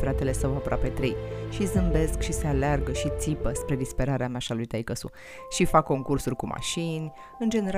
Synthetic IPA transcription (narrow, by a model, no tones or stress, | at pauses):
fɾat̪e̞le̞səwapɾoape̞t̪ɾejʃizɨmbe̞skʃise̞alearɡəʃit̪sipəspɾe̞d̪ispe̞ɾaɾeameaʃalujt̪ajkəsṵ | ʃifakːo̞ŋkursurʲkuma̰ʃinʲ | ɨnd͡ʒe̞ne̞ɾ